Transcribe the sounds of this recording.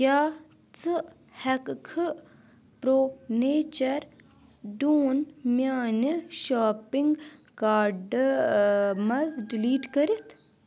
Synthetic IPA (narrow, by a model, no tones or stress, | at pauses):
kjaː | t͡sɨ | hɛkkʰɨ | pɾoːneːt͡ʃɐɾ | ɖuːnmʲjaːniʃaːpiŋɡkaːɖ | mɐzɖiliːʈkɐɾit̪ʰ